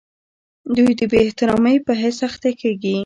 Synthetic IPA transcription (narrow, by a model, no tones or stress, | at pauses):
d̪ujd̪əbeːht̪ɪɾɑməjpəɦɪsaxt̪akʰeɡi